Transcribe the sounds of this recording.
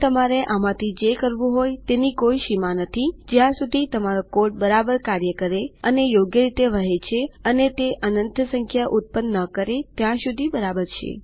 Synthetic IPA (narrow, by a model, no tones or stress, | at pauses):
t̪əmaɾeʔamãt̪ʰid͡ʒekəɾʋũɦojtt̪enikoiʃimanət̪ʰid͡ʒjãsud̪ʱit̪əmaɾokoɾʈ̚bəɾabəɾkaɾjəkəɾeənejoɡjəɾit̪eʋəɦet͡ʃʰeənet̪eʔənənt̪ʰəsəŋkʰjaʔut̪̚pənːəkəɾet̪jãʃud̪ʱibəɾabəɾt͡ʃʰḛ